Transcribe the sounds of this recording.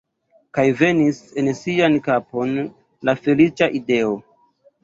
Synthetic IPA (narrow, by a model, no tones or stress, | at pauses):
kajve̞nise̞nsiankapo̞n | lafe̞lit͡ʃaʔide̞o̞